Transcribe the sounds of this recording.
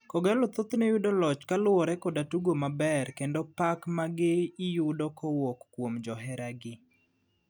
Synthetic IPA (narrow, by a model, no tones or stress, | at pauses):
kɔɡɛlɔt̪ot̪nejʊdɔlɔt͡ʃkalʊwɔɾɛkɔdatuɡomabɛrkendopakmaɡɪɪjʊdɔkʰɔwɔkːwomd͡ʒɔɦɛɾaɡɪ